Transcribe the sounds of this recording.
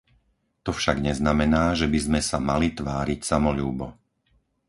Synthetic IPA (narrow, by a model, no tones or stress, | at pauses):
t̪ɔfʃaɡɲɛznamɛnaːʒɛbizmɛsamalit̪ʋaːɾicsamɔʎuːbɔ